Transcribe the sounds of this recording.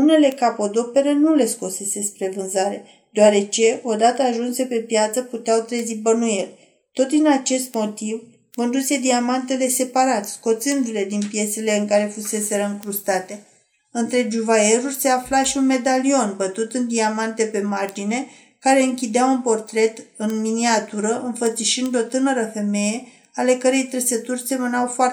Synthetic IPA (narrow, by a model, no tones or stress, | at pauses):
une̞le̞kapo̞d̪o̞pe̞ɾenule̞sko̞se̞se̞spɾe̞vɨnzaɾe̞ | d̪̥eoaɾe̞t͡ʃe̞o̞d̪at̪əaʒunse̞pe̞pjat̪səput̪eawt̪ɾezibənuje̞rʲ | t̪o̞t̪̚d̪inat͡ʃe̞st̪mo̞t̪iv | ko̞nd̪use̞d̪iamant̪̬e̞le̞se̞paɾat̪sko̞t̪sɨnd̪ule̞d̪inpije̞se̞le̞ɨŋkaɾe̞fuse̞se̞ɾəɨŋkɾust̪at̪e̞ | ɨnt̪ɾe̞d͡ʒuvae̞ɾurʲse̞aflaʃiunme̞d̪alio̞nbət̪ut̪ɨnd̪iamant̪e̞pe̞mard͡ʒine̞ | kaɾe̞ɨŋkʲid̪eawunpo̞rt̪ɾe̞t̪ɨnminiat̪uɾəʔɨnfət̪siʃind̪o̞t̪ɨnəɾəfe̞me̞je̞ | ale̞kəɾejt̪ɾesət̪urʲse̞mənawfoa